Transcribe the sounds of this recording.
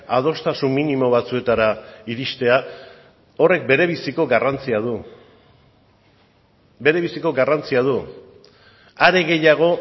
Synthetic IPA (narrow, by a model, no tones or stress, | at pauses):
að̞o̞st̪asunːinimo̞βat͡sue̞t̪aɾaiɾist̪e̞a | o̞re̞k̚be̞ɾe̞βisiko̞ɡarant͡siað̞u | be̞ɾe̞βisiko̞ɡarant͡siað̞u | aɾe̞ɣe̞jaɣ̞o̞